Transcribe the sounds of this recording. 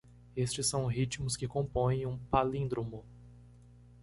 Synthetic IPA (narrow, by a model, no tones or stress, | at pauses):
est͡ʃɪsːɐ̃w̃ɦit͡ʃmʊskɪkõpõjẽj̃ũpalĩd̪ɾõmʊ